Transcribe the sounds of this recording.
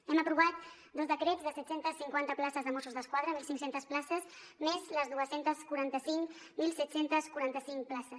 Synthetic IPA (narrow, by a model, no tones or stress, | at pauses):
ɛməpɾuβ̞at̪̚ | d̪ozðəkɾɛd͡zðəsɛt̪sent̪əsːiŋkwant̪əplasəzðəmɔsuzðəskwað̞ɾəmilˠsiŋksent̪əsplasəs | mezləzðuəsent̪əskuɾant̪əsiŋk | milˠsɛt̪sent̪əskuɾant̪əsiŋplasəs